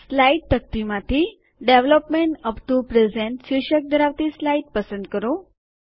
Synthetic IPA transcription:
slajiʈ̚t̪ək̚t̪imat̪ʰi | ɖeʋləpmeɳʈəpʈ̪upɾezeɳʈɕiɕək̚d̪ʱəɾaʋt̪islaiʈ̚pəsə̃nd̪kəɾo

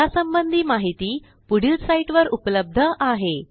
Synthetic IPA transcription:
asəmbənd̪ʱiːmaɦit̪iː | puɽ̤isaiʈʋəɾupləb̚d̪ʱəʔaɦe

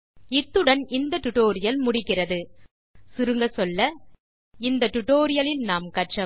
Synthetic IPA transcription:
ɪt̪ːɯɽɐnɪnd̪ɐʈʊʈoːɾɪjɐlmʊɽɪkːɪrɐðɯ | sʊɾɯŋɡɐsɔlːɐ | ɪnd̪ɐʈʊʈoːɾɪjɐlɪnnaːmkɐʈt͡ʃɐ

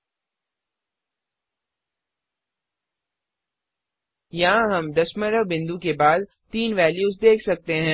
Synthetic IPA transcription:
jɐɦãɦɐmd̪ɐʃməɾəbɪ̃nd̪ukebaːd̪̚ | t̪iːnʋɛːljuːzd̪eːkʰsɐk̚t̪eɦɛ̃ː

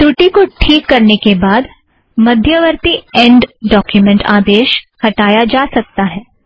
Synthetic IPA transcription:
ʈuʈikoʈʰiːkːɐɾnekebaːd̪ | mɐd̪ʱjəʋəɾt̪iɛ̃ːɳɖːɔːkjumɛ̃ɳʈaːd̪eːʃhɐʈaːjad͡ʒaːsɐk̚t̪aɦɛː

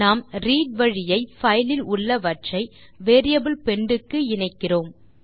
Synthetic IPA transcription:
naːmɾiːɖ̚ʋɐɻɪjɐɪfɐjlɪlʊɭːɐʋɐʈt͡ʃɐɪ | ʋeːɾɪjɐbɯlpɛɳɖɯkːɯɪɳɐɪkːɪroːm

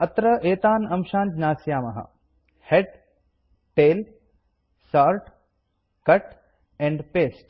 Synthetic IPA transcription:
ɐt̪ɾɐʔeːt̪aːnɐmʃãːnd͡ʒnaːsjaːmɐɦɐ̰ | heɖ | ʈeːl | saːɾʈ | kɐʈ | ɛ̃ːɳɖpeːsʈ

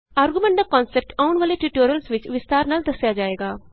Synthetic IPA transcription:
aːɾɡumɛ̃ɳʈ̚d̪akɔ̃ːnsɛp̚ʈaːʊɳʋaːleʈiʈoːɾijəlsʋɪt͡ʃʋɪst̪aːɾnaːld̪ɐsjad͡ʒaːeːɡaː

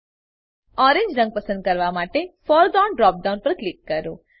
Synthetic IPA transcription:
ɔɾẽɲd͡ʒɾə̃ŋɡ̚pəsənd̪̚kəɾʋamaʈefɔɾd̪aɳɖɾɔp̚ɖaũnpəɾklikːəɾo

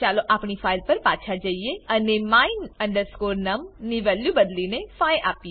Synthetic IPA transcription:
t͡ʃaːloʔaːpɳifʰaːɪlpɐɾpaːt͡ʃʰad͡ʒaieɐnemaːinə̃ɳɖəɾskoːɾnɐmnɪʋɛːljubɐd̪linefaːjʔaːpie

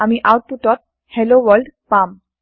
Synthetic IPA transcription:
amiʔawʈ̚puʈɔt̪̚ | heloʋɔlɖpam

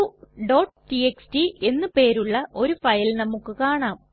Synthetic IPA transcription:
ɖo̞ːʈʈieksʈie̞nːɨpe̞ːɾuɭːɐʔo̞ɾufɐjlnɐmukːɨkaːɳaːm

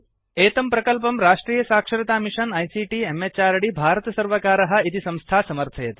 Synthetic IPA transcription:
eːt̪ɐmpɾɐkɐlp̬ɐmɾaːʂʈɾiːjɐsaːkʂɐɾɐt̪aːmiʃɐnɐjsiːʈiemet͡ʃaːɾɐɽibʱaːɾət̪ɐsɐɾʋɐkaːɾɐɦɐ̆it̪isɐ̃w̃st̪ʰaːsɐmɐɾt̪ʰɐjɐt̪i̥

